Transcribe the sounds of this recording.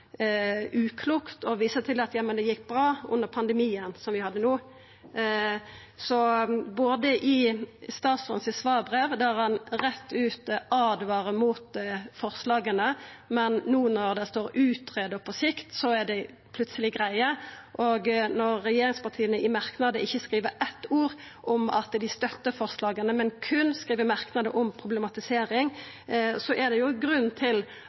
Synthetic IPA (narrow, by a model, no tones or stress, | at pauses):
ʉːkʰluːkt̪ɔʋiːsət̪ʰɪlɑt̪jɑːmənd̪ɛjɪkːbɾɑːʔʉ̰nːəʁpʰɑnd̪əmiːənsɔmʋɪhɑd̪ːənuː | sɔboːd̪əʔɪst̪ɑːt̪sɔ̰nsɪsʋɑːbʁeːʋd̪æʁhɑnɾɛt̪ːʉːt̪ɑːd̪ʋɑːɾəmuːt̪fɔʁslɑːɡənəmɛnːuːnɔʁd̪ɛst̪oːɾʉːt̪ʰʁeːd̪əpʰɔsɪkt̪sɔæd̪ɛ | pʰlʉt̪səlɪɡʁæɪəʔoɡnɔʁːɛjeːɾɪŋspɑʁt̪ʰiːənəʔɪmɑɾknɑd̪əʔɪçːəskɾiːʋəɾʔɛt̪ːuːɾ | ʔɔmɑ̰t̪d̪ɪst̪œt̪ːəfɔʁslɑːɡənəmɛnkʰʉnskʁiːʋəmɑʁknɑd̪ə̰ʔɔmpʰʁʊblɛmɑt̪ɪseːɾɪŋ | sɔʔɛd̪ɛjʊɡɾʉnːt̪ʰɪl